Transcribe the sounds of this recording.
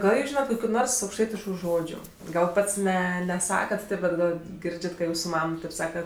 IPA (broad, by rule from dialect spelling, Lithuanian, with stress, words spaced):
ˈɡɐlˠ juːs ˈʒʲiːnɐt koːkʲʊ ˈnoːrs ɐʊkʃˈtɐɪtʲɪʃkʊ ˈʒoːd͡ʒʲʊ ˈɡɐlˠ ˈpɐts ˈnʲɛ nʲɛˈsɑːkɐt ˈtʲeːp ˈbʲɛt ˈɡɐlˠ ˈɡʲɪrʲd͡ʒʲɛt kɐt ˈjuːsʊ ˈmɐm ˈtɐɪp ˈsɑːkɐ